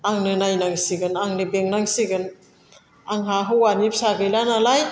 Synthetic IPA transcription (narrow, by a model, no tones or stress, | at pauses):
aŋnɯnajnaŋsiɡɯnaŋnɯbeŋnaŋsiɡɯn | aŋɦaɦɯwanipsaɡɯjlanalaj